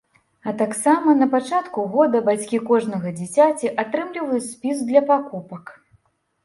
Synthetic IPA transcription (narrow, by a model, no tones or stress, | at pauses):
ɐt̪aksamɐn̪ɐpat͡ʂat̪kuɣɔd̪ɐbat͡sʲkʲikɔʐnɐɣɐd͡zʲit͡sʲat͡sʲiʔat̪ɾɨmlʲivɐjut͡sʲsʲpʲizd̪lʲɐpakupɐk